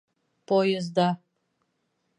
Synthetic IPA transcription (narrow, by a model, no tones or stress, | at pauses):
pojɛzd̪a